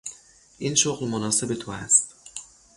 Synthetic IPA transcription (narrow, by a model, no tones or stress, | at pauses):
ʔinʃoɣlmonɒːse̞be̞t̪ʰoæst̪